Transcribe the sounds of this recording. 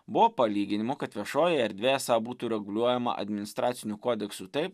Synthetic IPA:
bʊʋoːpɐlʲiːɡʲɪnʲɪmʊkɐt̪ʋʲiɛʃoːjɪɛɾʲd̪ʲʋʲeːɛsɑːbuːt̪uːɾʲɛɡʊlʲuɔjɛmɐ̰ʔɐ̰d̪ʲmʲɪnʲɪst̪ɾʔɑːt̪sʲɪnʲukoːd̪ʲɛksuːt̪ɐɪp

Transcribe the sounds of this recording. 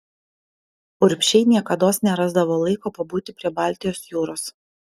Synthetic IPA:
ʊɾʲpʲʃʲɛɪnʲiɛkɐd̪oːsnʲɛɾɑːzd̪ɐʋoːlˠɐɪkoːpɐbuːt̪ʲɪpʲɾʲiɛbɑːˑlʲt̪ʲɪjoːsjuːɾoːs

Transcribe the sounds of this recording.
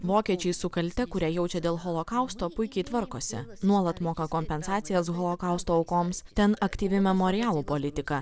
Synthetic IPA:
ʋoːkʲiɛt͡ʃʲɛɪsʊkɐlʲt̪ʲɛkʊɾʲɛjɛʊt͡ʃʲɛd̪ʲeːlˠɣɔlˠɔkɑʊst̪oːpʊɪkʲɛɪt̪ʋɐɾkoːsʲɪ̰nuɔlˠɐt̪moːkɐkoːmʲpʲɛnsɑːt̪sʲɪjɛsɣɔlˠoːkɑˑʊst̪oːɐʊkoːmst̪ʲɛnɐkt̪ʲiːʋʲɪmʲɛmoːɾʲɪjæːlˠuːpolʲɪt̪ʲɪkɐ

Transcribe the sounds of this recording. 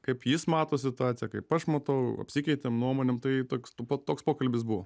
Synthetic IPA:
kɐɪpjɪsmɑːt̪oːsʲɪt̪ʊɑːt̪sʲɪjɛkɐɪpɐʃmɐt̪ɐʊɐ̰pʲsʲikʲɛɪt̪ʲemnuɔmoːnʲeːmt̪ɐɪt̪oːkʲstːpot̪oːkspoːkɐlʲbʲɪs̬buʋoː

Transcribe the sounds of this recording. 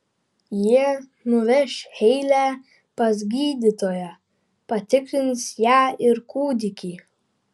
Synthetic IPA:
jiɛ | nʊʋʲɛʃʲhɛɪlʲæː | pɐzʲɡʲiːd̪ʲit̪oːjɛ | pɐt̪ʲɪkɾʲɪnsjæːɪɾkuːd̪ʲɪkʲiː

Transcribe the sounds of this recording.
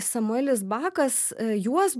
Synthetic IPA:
sɐmʊɛːlʲɪs̬bɑːkɐsjuɔs

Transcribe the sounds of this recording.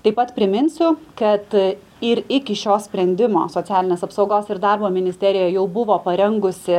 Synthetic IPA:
t̪ɐɪpɐt̪pʲɾʲɪmʲɪnʲsʲʊkɐt̪ | ɪɾɪkʲɪʃʲoːsʲpʲɾʲɛnʲd̪ʲɪmo̰ːsoːt͡ssʲæːlʲɪnʲeːsɐpsɒʊɡoːsɪɾd̪ɑɾboːmʲɪnʲɪsʲt̪ʲɛɾʲɪjoːjɛʊbʊʋoːpɐɾʲɛŋɡʊsʲɪ

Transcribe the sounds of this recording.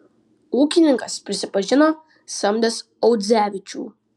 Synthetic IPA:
uːkʲɪnʲɪŋkɐspʲɾʲɪsʲɪpɐʒʲɪno | sɐmʲd̪ʲɛs | ɔwd̪zʲæːʋʲɪt͡ʃʲṵː

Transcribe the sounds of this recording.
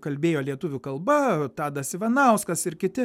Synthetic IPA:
kɐlʲbʲeːjoːlʲiɛt̪ʊʋʲʊkɐlˠbɐt̪ɑːd̪ɐsʲɪʋɐnɐˑʊskɐsɪrkʲɪtʲɪ

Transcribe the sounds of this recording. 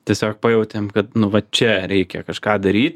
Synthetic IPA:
t̪ʲiɛsʲoːk̚pɑjɛʊt̪ʲemkɐt̪nʊʋɐt͡ʃʲɛɾʲɛɪkʲɛkɐʃkɑːd̪ɐɾʲiːt̪ʲ

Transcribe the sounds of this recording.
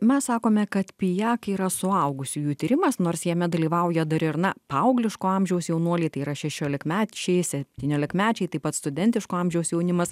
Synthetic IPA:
mʲɛssɑːkoːmʲɛkɐt̪pʲɪjæːkiːɾɐsʊɐʊɡʊsʲɪjuːt̪ʲiːɾʲɪmɐsnoːrsjɛmʲɛd̪ɐlʲiːʋɐʊjɛd̪ɐɾɪrnɐpɐʊɡlʲɪʃkoːɑːmʲʒʲɛʊsjɛʊnuɔlʲɛɪt̪ɐɪiːɾɐʃʲɛʃʲoːlʲɪkmʲæːt͡ʃʲɛɪsʲɛp̚ʲt̪ʲiːnʲoːlʲɪkmʲæːt͡ʃʲɛɪt̪ɐɪpɐt̪st̪ʊd̪ʲɛnʲt̪ʲɪʃkoːɑːmʲʒʲɛʊsjɛʊnʲɪmɐs

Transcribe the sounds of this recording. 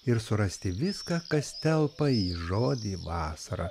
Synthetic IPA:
ɪɾsʊɾɐsʲt̪ʲɪʋʲɪskɑːkɐst̪ʲɛlˠpɐiːʒoːd̪ʲiːʋɑːsɐɾɑ

